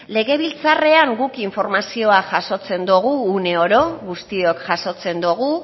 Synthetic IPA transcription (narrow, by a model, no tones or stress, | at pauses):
le̞ɣ̞e̞β̞ilt͡sare̞aŋɡukiɱfo̞ɾmasio̞aʝaso̞t͡se̞nd̪uɣ̞uːne̞o̞ɾo̞ɣust̪io̞kʝaso̞t͡se̞nd̪uɣ̞u